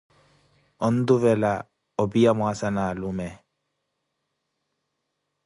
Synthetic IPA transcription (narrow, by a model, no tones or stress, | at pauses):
ɔn̩d̪ʊvɛla | ɔbijamwasanalʊmɛ